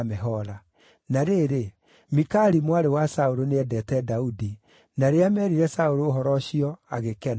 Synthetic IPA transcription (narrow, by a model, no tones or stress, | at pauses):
mɛɦɔɾa | naɾeɾe | mikaɾimwaɾewasaoɾoneɛdɛtɛdaudi | naɾeamɛɾiɾɛsaoɾoːɦɔɾɔɕiɔaɣekɛn